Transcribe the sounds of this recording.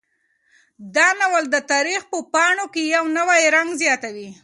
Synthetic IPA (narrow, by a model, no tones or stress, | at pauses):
d̪ɑnawəld̪ət̪ɑɾixpəpɑɳokejawnəwajɾaŋɡzjɑt̪awi